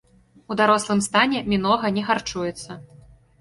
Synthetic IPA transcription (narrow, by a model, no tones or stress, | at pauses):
ud̪aɾɔslˠɨmst̪anʲɛmʲinɔɣɐnʲɛɣart͡ʂujɛt̪sːɐ